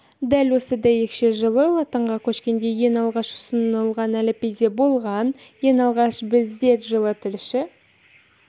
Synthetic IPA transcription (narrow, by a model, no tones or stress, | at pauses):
d̪ælwo̞səd̪ɑje̞kʃe̞ʒəlˠəlˠɑt̪əɴʁɑkʲʰɵʃkʲe̞nd̪e̞je̞nɑlˠʁɑʃʊ̥sənəlˠʁɑnælɪpejze̞bo̞lˠʁɑnje̞nɑlˠʁɑʃbɪzd̪e̞t̪ʒəlˠət̪ʰɪlʃɪ